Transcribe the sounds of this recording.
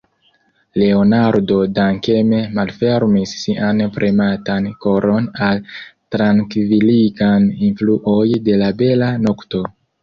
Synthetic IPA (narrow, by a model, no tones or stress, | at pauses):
le̞o̞naɾdo̞daŋke̞me̞malfe̞ɾmisːiʔanpɾʔimatanko̞ɾʔo̞naltɾaŋkviliɡaninfluʔo̞jde̞labe̞lano̞kto̞